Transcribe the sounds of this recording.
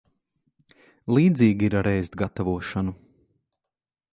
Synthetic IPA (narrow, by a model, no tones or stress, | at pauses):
lˠiːd̪ziːɡiiɾaɾɛjzt̪ɡat̪avuɔʃanu